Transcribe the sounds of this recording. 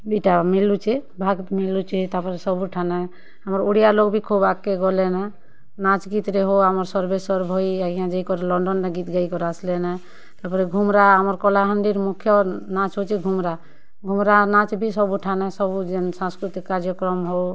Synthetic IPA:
biʈamilːut͡ʃʰibʱaɡt̪milːut͡ʃʰit̪apɔɾesɔbuʈʰanɛ | ɦamɔɾuɽijaloɡbʱikʰubakːeɡɔlenɛ | nat͡ʃɡit̪ɾeɦoamɔɾsɔɾbesɔɾbʱɔjiaiãd͡ʒeikɔɾelɔɳɖɔnɾaɡit̪ɡaikɔɾaslenɛ | t̪apɔɾɛɡʱumɾaɦamɔɾkɔlaɦənɖiɾmukʰːjɔnat͡ʃɦot͡ʃʰiɡʱumɾa | ɡʱumɾanat͡ʃbʱisɔbuʈʰanɛsɔbud͡ʒensãskɾut̪ikːaɾd͡ʒjɔkɾɔmɦow

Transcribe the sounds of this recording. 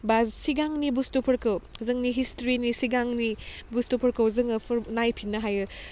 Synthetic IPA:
bazsiɡaŋnibustopʰɐɾkɐwzɐŋniɦistoɾinisiɡaŋnibustopʰɐɾkɐwzɐŋɐpʰɐɾnajpʰinːɐɦajɯ

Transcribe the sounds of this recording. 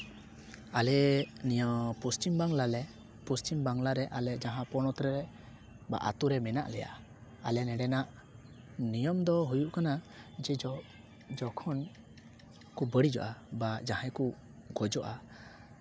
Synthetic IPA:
alɛnijɔpɔst͡ʃimbaŋlalɛ | pɔst͡ʃimbaŋlaɾɛʔalɛd͡ʒaɦãpɔnɔt̪ɾɛɾɛ | ba̰ʔa̰t̪uɾɛmɛna̰ʔlɛja̰ʔ | alɛnɛɖɛnaʔ | nijɔmd̪ɔɦujuʔkanad͡ʒɛd͡ʒɔ | d͡ʒɔkʰɔn | kubəɽid͡ʒɔ̰ʔabad͡ʒahɛ̃ku | ɡɔd͡ʒɔʔa

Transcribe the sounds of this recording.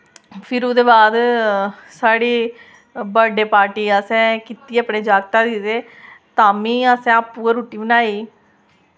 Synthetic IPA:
pʰɪɾoːd̪eːbaːd̪ | saːɽiː | bəɖeːpaːɾʈiːəsɛ̃ːkɪt̪ieəpɳeːd͡ʒaːɡt̪aːd̪id̪eː | t̪ãːmĩːəsɛ̃ːpuːeɾoːʈiːbənaːiː

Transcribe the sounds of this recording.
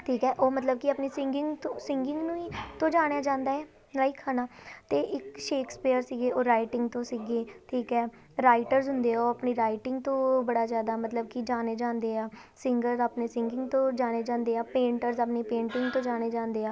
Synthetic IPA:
ʈʰiːkɛːʔoːmət̪ləb̚kɪaːpneːsɪŋɡɪŋɡt̪õsɪŋɡɪŋɡnũːiːt̪õːd͡ʒaːɽ̃jaːd͡ʒãːnd̪aːɛː | laːikʰːaːnaːt̪eːʔɪkʃeːkspiːəɾsiːɡeːoːɾaːɪʈɪ̃ŋɡt̪õːsiːɡeːʈʰiːkɛː | ɾaːɪʈəɾzɦʊnd̪eːoːəpɳeːɾaːɪʈɪŋɡt̪õːbəɽaːzjaːd̪aːmət̪ləb̚kɪd͡ʒaːneːd͡ʒãːnd̪eːaː | sɪŋɡəɾzaːpneːsɪ̃ŋɡɪŋɡt̪õːd͡ʒaːɽ̃eːd͡ʒãːnd̪eːaːpẽːɳʈəɾzaːpneːpẽːɳʈɪŋɡt̪õːd͡ʒaːɽ̃eːd͡ʒãːnd̪eːaː

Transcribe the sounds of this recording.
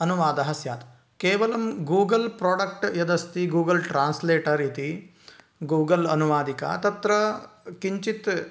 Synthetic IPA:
ɐnuʋaːd̪ɐɦɐsjaːt̪ | keːʋɐlɐmɡuːɡɐlpɾoːɖɐk̚ʈjɐd̪ɐst̪iɡuːɡɐlʈɾaːnsleːʈɐɾit̪i | ɡuːɡɐlɐnuʋaːd̪ikɐ̰t̪ɐt̪ɾɐkiɲt͡ʃit̪

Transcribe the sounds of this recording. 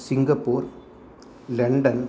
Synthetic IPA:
sɪŋɡɐpːoːɾ | lɛɳɖɐn

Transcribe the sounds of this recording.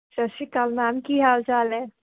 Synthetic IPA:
t͡ʃɐsikalnaːmkiɦaːwd͡ʒaːle

